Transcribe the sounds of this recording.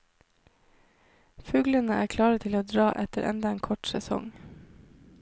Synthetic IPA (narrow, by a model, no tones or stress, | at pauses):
fʉːɡlənəʔæːkʰlɑːɾət̪ʰɪloːd̪ɾɑːʔɛt̪əɾʔɛ̰nd̪ɑeːnkʰɔʈsɛsɔ̰ŋ